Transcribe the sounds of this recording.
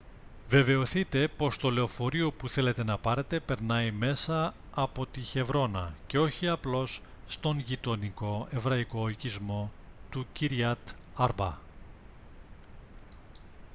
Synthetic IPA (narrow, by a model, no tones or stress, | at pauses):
ve̞ve̞o̞θit̪e̞po̞st̪o̞le̞o̞fo̞ɾio̞puθe̞le̞t̪e̞nɐpɐɾe̞t̪e̞pe̞ɾnɐime̞sɐː | po̞t̪içe̞vɾo̞nɐ̰ce̞o̞çiɐplo̞sː | t̪o̞ŋʝit̪o̞niko̞e̞vɾɐiko̞icizmo̞t̪uciɾiɐt̪ | ɐɾbɐ